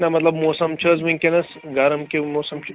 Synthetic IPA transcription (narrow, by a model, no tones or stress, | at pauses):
nɐmɐt̪lɐbmoːsɐmt͡ʃʰɐzmɨŋkenɐs | ɡaɾɐmkemoːsɐmt͡ʃʰ